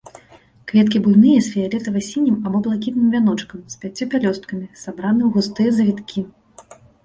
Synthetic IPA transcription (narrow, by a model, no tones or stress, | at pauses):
kvʲɛt̪kʲibujnɨjɐsfʲijalʲɛt̪ɐvasʲinʲimabɔblˠakʲit̪nɨmvʲan̪ɔt͡ʂkɐmspʲat͡sʲːɔpʲalʲɔst̪̚kɐmʲisabɾanɨwɣust̪ɨjɐzɐvʲit̪kʲʰi